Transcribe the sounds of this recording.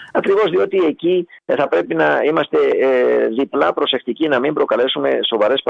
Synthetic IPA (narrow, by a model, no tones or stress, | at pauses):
ɐkɾivo̞zðio̞t̪ie̞ciθɐpɾe̞pinɐimɐst̪e̞ðiplɐpɾo̞se̞xt̪icinɐmimbɾo̞kɐle̞sume̞̰so̞vɐɾe̞sp